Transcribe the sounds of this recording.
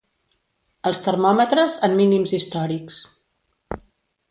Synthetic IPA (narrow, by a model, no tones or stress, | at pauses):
əlˠst̪ərmɔmət̪ɾəzamminimzist̪ɔɾiks